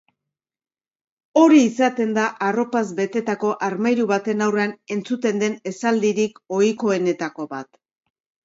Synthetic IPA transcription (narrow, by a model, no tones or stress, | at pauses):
o̞ɾiːsat̪e̞nd̪aʔaro̞pazbe̞t̪e̞t̪ako̞ʔaɾmajɾuβat̪e̞nawreane̞nt͡sut̪e̞nd̪e̞ne̞sald̪iɾiko̞iko̞e̞ne̞t̪ako̞βat̪